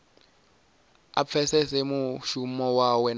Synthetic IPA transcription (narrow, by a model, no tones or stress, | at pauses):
a̰p̪fʰɛsɛsɛmuʃumɔwawɛn